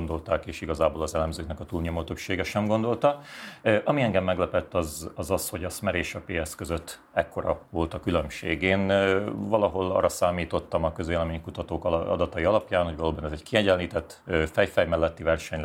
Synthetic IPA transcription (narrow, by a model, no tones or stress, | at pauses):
ond̪o̞lt̪aːkeːʃiɡɒzaːboːlɒzɛlɛmzøːknɛkɒt̪uːlɲo̞mot̪øpʃeːɡɛʃɛmɡo̞nd̪o̞lt̪ɒʔɒmiɛŋɡɛmːɛɡlɛpɛt̪ːɒzɒzɒsho̞ɟɒsmɛɾeːʃɒpeːɛskøzøt̪ː | ɛkːo̞ɾɒ̰vo̞lt̪ɒkylø̞mʃeːɡeːnvɒlɒɦo̞lɒ̰ːrːɒsaːmiːt̪o̞t̪ːɒmɒkøzeːlɛmeːɲkut̪ɒt̪oːkɒ̰d̪ɒt̪ɒjiɒlɒpjaːnho̞ɟvɒloːbɒnɛzɛɟkʰiɛɟɛnliːt̪ɛt̪ː | fɛjfɛjmɛlːɛt̪ːivɛrʃɛɲl